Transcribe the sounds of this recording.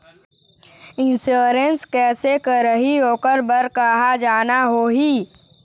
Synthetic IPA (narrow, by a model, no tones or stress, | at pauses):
ɪ̃nsoːɾenskɛːsekəɾəɦiɦoːkəɾbəɾkaɦad͡ʒaːnaɦoːɦiː